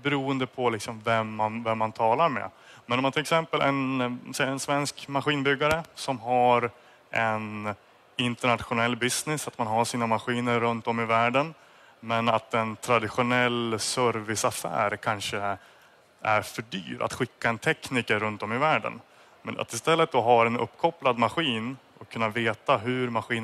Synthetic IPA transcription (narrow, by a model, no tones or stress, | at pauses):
bɛɾuːənd̪əpʰɔlɪksɔmvɛmːanvɛmːant̪ʰɑːlaɾmɛ̰ | mɛnɔmːant̪ʰɪlɛksɛmpəlʔɛ̰nsɛjːaɛnsvɛnskmaɧiːnbʏɡːaɾəsɔmɦaɾ | ʔɛn | ɪnt̪əɳat̪ɧʊnɛlːbɪsnɪsat̪manɦaʂiːnamaɧiːnəɾːɵnt̪ɔmːɪvæːɖən | mɛnat̪ɛnt̪ʰɾad̪ɪɧʊnɛlːsœɾvɪsafæ̰ːɾkʰanʂə | æ̰ɾfœɖy̰ːɾʔa̰t̪ɧɪkːaɛnt̪ʰɛkniːkəɾɵnt̪ɔmɪvæːɖə̰n | mɛna̰t̪ɪst̪ɛlːət̪̚d̪ɔɦaɾɛnɵ̰pːkʰɔplad̪maɧiːnʔɔkʰːɵnːaveːt̪aɦɵɾmaɧiːn